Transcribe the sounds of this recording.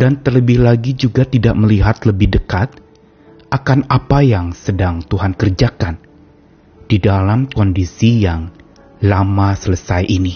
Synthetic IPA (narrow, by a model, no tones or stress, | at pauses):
dant̪ərləbɪhlaɡid͡ʒuɡat̪idaʔ̚məliɦat̪ləbɪhdəkat̪̚ | ʔakanapajaŋsədaŋt̪uɦankərd͡ʒakan | d̥idalamkɔndisijaŋ | lamasələsajʔini